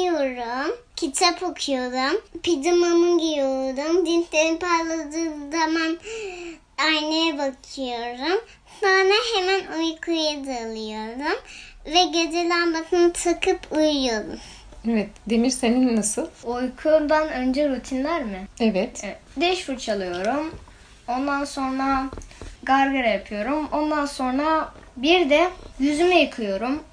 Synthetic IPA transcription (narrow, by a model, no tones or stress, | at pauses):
joɾumcʰit͡ʃʰapʰokʰujo̞d̪umpʰid̪umamɯɟibiolˠd̪umd̪int̪lʲeɾinpʰalˠad̪ɯːnzaman | ajnejɛbakʰɯjo̞ɾum | banaɦemænojkʰujad̪aːlˠɯjo̞ɾd̪umvɛɟed͡ʒ̪elʲambak̪ʰɯnt̪ʰɯkʰɯpʰujujod̪ṵm | evɛt̪d̪emiɾseninnːasɯlˠojkʰuɾd̪anø̞nd͡ʒɛɾut̪ʰinlʲæɾmɪevɛt̪d̪ɛʃfuɾt͡ʃʰalˠɯjo̞ɾum | o̞nd̪anso̞nɾaɡaɾɡaɾajapʰɯjo̞ɾumo̞nd̪anso̞nɾabiɾd̪ɛjyzymɛjɯkʰɯjo̞ɾum